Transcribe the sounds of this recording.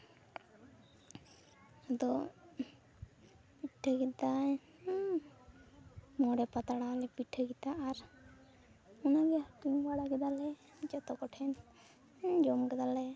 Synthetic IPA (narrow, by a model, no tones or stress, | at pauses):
d̪ɔ | piʈʰːəkɛt̪a | mɔɽɛpat̪aɽalɛpiʈʰːəkit̪aːɾ | ɔnaɡɛaɾʈiŋbaɽakɛd̪alɛ | d͡ʒɔt̪ɔkɔʈʰɛn | d͡ʒɔmkɛd̪alɛ